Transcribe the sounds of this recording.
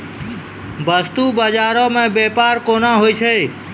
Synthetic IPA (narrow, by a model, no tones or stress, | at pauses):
bəst̪uːbəd͡ʒaːɾõmẽːbeːpaːɾkoːnaːɦoiːt͡ʃʰeː